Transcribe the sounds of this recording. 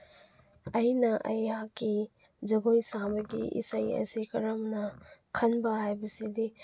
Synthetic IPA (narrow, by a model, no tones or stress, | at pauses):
ɐjnɐʔɐ̰jaki | d͡ʒɐɡojsabɐɡḭʔḭsajɐ̰sikɐɾɐmnɐkʰɐnbɐɦajbɐsidi